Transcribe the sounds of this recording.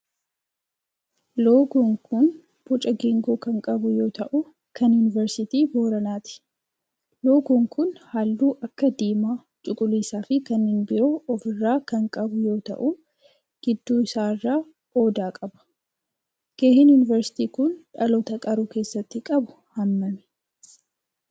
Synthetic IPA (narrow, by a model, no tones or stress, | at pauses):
loːɡɔŋkʊn | b̥ɔt͡ʃʼɐɡeːŋɡoːkɐŋkʼɐbʊjo̞ːt̪ɐʔʊ | kɐnjʊːnɪvɛɾsɪt̪iːboːɾɐnaːt̪ɪ̥ | lo̞ːɡɔŋkʊnhalːuːʔɐkːɐd̪iːmaː | t͡ʃʼʊkʼʊliːsaːfɪkɐnhɪnbɪɾoːʔɔfɪrːaːkɐŋkʼɐbʊjo̞ːt̪ɐ̰ʔu | ɡ̥ɪd̪ːuːɪsaːɪrːaː | o̞ːd̪aːkʼɐbɐ̥ | ɡ̥eːhɪnjʊːnɪvɛɾsɪ̥t̪iːkʊnᶑɐlɔt̪ɐkʼɐɾuːkeːsːɐt̪ːɪkʼɐbʊ̥ | hɐmːɐmɛ̥